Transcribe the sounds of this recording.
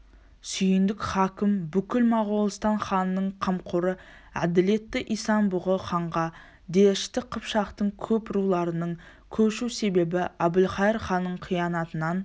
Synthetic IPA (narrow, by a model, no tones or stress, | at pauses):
sʏjɪnd̪ɪkʲχɑkʲɪmbʏkʲɪlmɑʁolˠəst̪ɑɴχɑnːəɴqʰəmqʰʊɾə | æ̰d̪ɪle̞t̪ːɪʔijsɑnbʊʁəχɑɴʁɑ | d̪eɪʃt̪ɪqʰəpʃɑqt̪əɴkʲʰɵpɪɾulˠɑɾənəɴ | kʲʰɵʃuse̞be̞bɪæbɪlχɑjɪɾχɑnːəɴqʰijɑnɑt̪ənɑn